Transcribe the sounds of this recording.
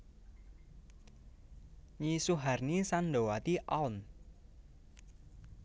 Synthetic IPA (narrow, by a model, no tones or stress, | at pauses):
ɲisuɦarnisanɖowat̪iʔaun